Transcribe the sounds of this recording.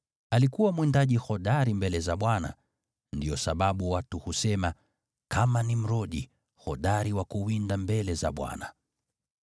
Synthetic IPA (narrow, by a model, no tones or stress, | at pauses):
alikuwamwindaʄihɔɗaɾimbɛlɛzaɓwana̰ | ndijɔsaɓaɓuwatuhusɛma | kʰamanim̩ɾɔɗi | hɔɗaɾiwakuwindambɛlɛza̰ɓwa̰na